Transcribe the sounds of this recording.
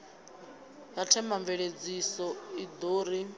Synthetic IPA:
jatʰɛmaɱveɺed͡zisɔid̪oːɾi

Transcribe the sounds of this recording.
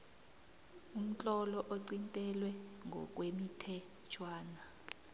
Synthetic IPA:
um̩t͡ɬʼɔlɔʔoǀintʼɛlwɛŋʱɔ̰k̬ʼwemitʰɛ | t͡ʃʰwaːna

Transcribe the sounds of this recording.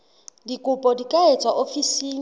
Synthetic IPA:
dikʼʊpʼɔdikʼaet͡sʰʼwaʔofisiːŋ̩

